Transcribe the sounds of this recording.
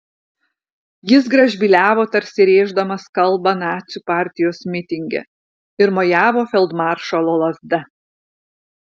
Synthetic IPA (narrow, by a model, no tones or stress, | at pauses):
jɪsɡɾɐʒʲbʲilʲæːʋoːt̪ɐɾʲsʲɪɾʲeːʒd̪ɐmɐskɐlˠˑbɐnɑːt̪sʲupɑːˑɾʲt̪ʲɪjoːsmʲɪt̪ʲɪŋʲɡʲɛ̰ | ɪɾmojæːʋoːfʲɛlˠd̪mɑːˑɾʃɐlˠoːlˠɐzd̪ɐ